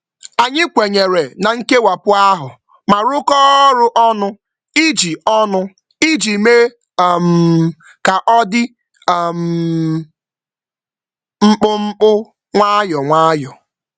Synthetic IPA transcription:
a˨ɲɪ˦kʷe˨ɲe˨ɾe˨na˨ŋ̩˦ke˦wa˨pʊ˦a˦ɦʊ˨ | ma˨ɾʊ˦kɔ˦ɾʊ˦ʔɔ˦nʊ˦ | i˦d͡ʒi˨ɔ˦nʊ˦ | i˦d͡ʒi˨me˦˨ | m̩˨ | ka˨ʔɔ˦dɪ˦˨ | m̩˨ | ŋ͡m̩˦k͡pʊ˦ŋ͡m̩˦k͡pʊ˦ | ŋʷa˦jɔ˨ŋʷaː˦jɔ˨

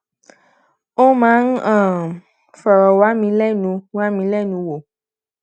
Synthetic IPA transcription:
o˦mãː˨˦n̩˦ã˦˨ | fɔ˨ɾɔ˨wa˨˦mĩ˧lɛ˦nũ˧wa˦mĩ˧lɛ˦˨nũ˨˧wo˨

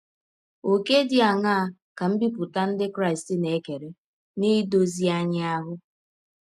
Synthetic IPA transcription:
o˨ke˦di˦a˨ŋa˦a˦˨ | ka˨m̩˦bi˦pʊ˨ta˦n̩˦dɪ˦kɾa˦ɪ˨stɪ˦ne˨˦ke˨ɾe˨ | ni˦do˦zi˦a˦ɲɪ˦a˦ɦʊ˦

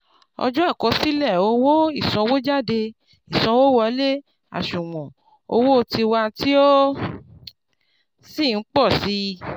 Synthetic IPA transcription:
ɔ̰˧d͡ʒɔ̃˦a˦˨kɔ˧˦si˦lɛ˦˨o˨˧˦wo˦i˦˨sɔ̃˧wo˦d͡ʒa˦˨de˧ | i˨sɔ̃˧wo˦wɔ˧˦le˦ | a̰˨ʃũ˨w̃ɔ̃˨ | o˧wo˦o˧ti˧wa˧ti˦o˦ | si˦˨n̩˦k͡pɔ˦˨si˧˦˧

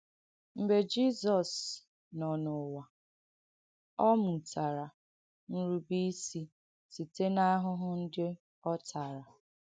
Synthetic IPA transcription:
m̩˨be˨d͡ʒi˦zɔ˨s | nɔ˨nʊ˨wa˨ | ɔ˦mu˨ta˨ɾa˨ | n̩˦ɾu˦bi˦si˦ | si˨te˦na˦ɦʊ˦ɦʊ˦n̩˦dɪ˦ | ɔ˦tʰa˨ɾa˨

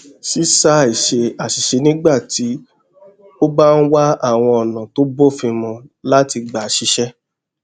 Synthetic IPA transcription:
ʃi˦sa˧˨i˨ʃe˧a˨ʃi˨ʃe˧nĩ˦ɡ͡ba˦˨ti˨˦ | o˦ba˦n̩˦wa˦a˦˨w̃ɔ̃˧ɔ˨nã˨to˦bo˦˨fĩ˧mɔ̃˧la˦ti˧ɡ͡ba˨ʃi˧ʃɛ˦

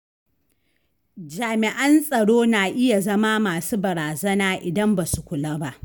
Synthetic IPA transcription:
d͡ʒaː˨mɪ˨ʔɐ˦nsʼɐ˨ɽoː˦naː˨ʔɪ˦ja˨zɐ˦maː˦maː˨suː˦bɐ˨ɾaː˨zɐ˦naː˦ʔɪ˨dɐ˦mba˨su˨kʷʊ˨laː˦ba˦ʔ

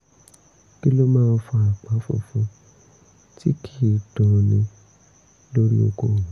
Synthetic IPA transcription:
ki˦lo˦mãː˦˧n̩˦fũ˧˦a˨k͡pa˨˦fṵ˦˧fũ˧ | ti˦kʰi˦˨dɔ̃˨nĩ˧ | lo˦ɾḭ˦o˧ɡo˦˨˦

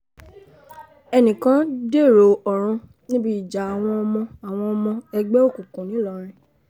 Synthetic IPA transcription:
ɛ˧nĩ˨kã˨˦de˦˨ɾo˨ɔ˨ɾ̃ũ˧ | nĩ˦bi˦i˨d͡ʒa˨˦a˨w̃ɔ̃˧ɔ˧mɔ̃˧a˨w̃ɔ̃˧ɔ˧mɔ̃˧ɛ˧ɡ͡bɛ˦o˦˨kũ˨kũ˨nĩ˨˦lɔ˨˧ɾ̃ĩ˧

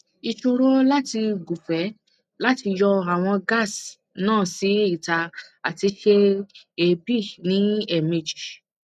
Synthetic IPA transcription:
i˧ʃo˧ɾo˦la˦ti˧ɡu˨fɛ˨˦ | la˦ti˧jɔ˧a˨w̃ɔ̃˧ɡa˦˨s | nãː˦˨si˨˦i˦˨ta˧a˨ti˧ʃe˧e˧bi˦˨nĩ˨˦ɛ˦˨mĩ˨d͡ʒi˨

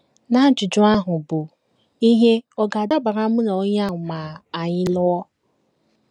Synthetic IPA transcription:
na˦d͡ʒʊ˨d͡ʒʊ˦a˦ɦʊ˨bʊ˨ | i˦ɦe˦ɔ˦ɡa˨da˦ba˨ɾa˦mu˦na˨o˦ɲ˦a˦ʊ˨ma˨a˨ɲɪ˦lʊ˦ɔ˦

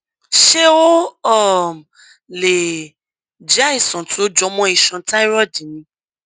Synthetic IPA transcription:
ʃe˦wo˦ɔ˦˨ | le˨ | d͡ʒa˦i˦˨sɔ̃˨tu˨˦o˦d͡ʒɔ˧˦mɔ̃˦i˦˨ʃã˧ta˦i˦ɾɔ˦˨dĩ˨˦nĩ˧˦

